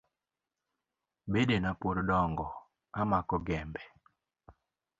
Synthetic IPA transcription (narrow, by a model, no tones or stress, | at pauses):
bedenapoɾdɔŋɡɔ | amakɔɡɛmbɛ